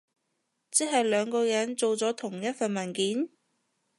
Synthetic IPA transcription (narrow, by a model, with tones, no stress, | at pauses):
t͡si˥ɦɐ˨jlœː˨˧ŋkɔː˧jɐ˨˥nt͡so˨wt͡sɔː˨˥t̪ʰʊ˨˩ŋjɐ˥t̚fɐ˨nmɐ˨˩nkiː˨˥n